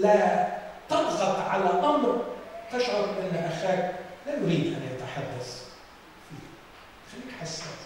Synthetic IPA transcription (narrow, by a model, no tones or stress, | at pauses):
la | t̪ɑbzˤɑqʕalæʔ̪ɑmɾt̪ɪʃʕʊɾʔɪnːʔaxæːk̚læjʊɾiːd̪ʔa̰njat̪ɑħɑd̪ˤːɑsˤ | fḭːh | xalːiːkħasːa